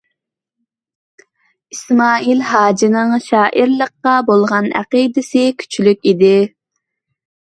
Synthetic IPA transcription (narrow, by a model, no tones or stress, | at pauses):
ismɑːilhɑːd͡ʒinɨŋʃɑːʔiɾlˠəqːɑbolˠʁɑnæ̰qid̪ɪsɪkʲʰy̥t͡ʃʰylykʲid̪ɪ